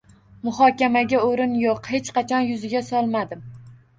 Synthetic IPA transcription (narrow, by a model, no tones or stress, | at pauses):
mʊhɒkʲamaɡʲaoɾɪnjoqhet͡ʃqʰɑt͡ʃʰɒnjʊzɪɡʲasɒlˠmad̪ɪm